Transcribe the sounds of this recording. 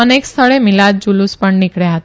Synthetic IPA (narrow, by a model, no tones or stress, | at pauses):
ənekst̪ʰəɭemɪlad̪̚d͡ʒuluspəɳnɪkɽeɦət̪